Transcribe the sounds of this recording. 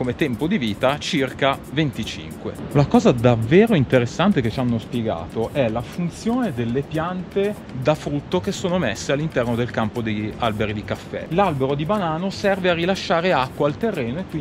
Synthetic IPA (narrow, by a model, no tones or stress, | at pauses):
komet̪ɛmpod̪iviːt̪at͡ʃirka | vent̪it͡ʃḭŋkwḛnakɔːzad̪avːeːɾoint̪eɾesːant̪eket͡ʃanːospjeɡa̰ːt̪oʔɛlafunt̪sjoːned̪elːepjant̪e | d̪afɾut̪ːokesoːnomesːealːint̪ɛrnod̪elkampod̪ejalbeɾid̪ikafːɛ̰lalbeɾod̪ibanaːnosɛrvearːilaʃːaːɾeakːwaːlt̪erːeːnoekːwi